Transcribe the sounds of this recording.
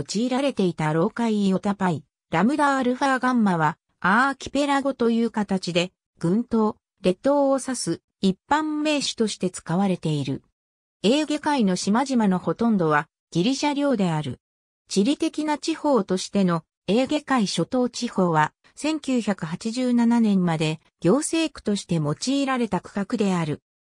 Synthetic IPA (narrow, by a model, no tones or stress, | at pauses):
t͡ɕiːɾaɾe̞t̪e̞it̪aɾo̞ːkaijo̞t̪apai | ɾamɯ̟d̪aɾɯ̟ɸaɡãmːaβ̞a | aːkʲi̥pe̞ɾaɡo̞t̪o̞jɯ̟ːkat̪at͡ɕid̪e̞ | ɡ̥ɯ̟̃nt̪o̞ː | ɾe̞t̪o̞ːsasɨ | ipːãmːe̞ːɕɨ̥t̪o̞ɕi̥t̪e̞t͡sɨ̥kaβaɾe̞t̪e̞iɾɯ̟̰ | e̞ːɡe̞kaino̞ɕimaʑimano̞ho̞t̪õ̞nd̪o̞βa | ɡ̥ʲiɾʲiɕaɾʲo̞ːd̪e̞aɾɯ̟̰ | t͡ɕiɾʲit̪e̞kʲinat͡ɕiho̞ːt̪o̞ɕi̥t̪e̞no̞ | e̞ːɡe̞kaiɕo̞t̪o̞ːt͡ɕiho̞ːβa | sẽ̞ŋkʲɨːçakɯ̟ɦat͡ɕiʑɨːnananẽ̞mmad̪e̞ | ɡ̥ʲo̞ːse̞ːkɯ̟̥t̪o̞ɕi̥t̪e̞mo̞t͡ɕiːɾaɾe̞t̪akɯ̥kakɯ̟d̪e̞aɾɯ̟